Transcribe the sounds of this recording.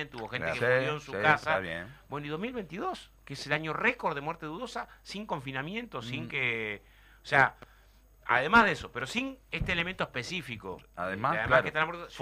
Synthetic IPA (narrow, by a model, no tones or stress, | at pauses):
ent̪euβo̞xenekeujoensukasaebwenoiðo̞ɦmilβent̪iðo̞skeselaɲo̞rekoɾðemwɛɾt̪eðuðo̞sasiŋko̞ɱfinamjẽ̞nt̪osiŋke | osea | a̰ðemaɦðeso̞pe̞ɾo̞sinest̪eːlement̪oepe̞sifiko̞̰aðemaðeake̥t̪anamweɾð